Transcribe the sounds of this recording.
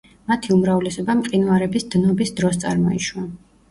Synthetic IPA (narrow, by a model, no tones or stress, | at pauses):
mat̪ʰiumɾavlɛsɔbamqʼinvaɾɛbisd̪̥nɔbisd̪ɾɔst̪sʼa̰ɾmɔiʃwua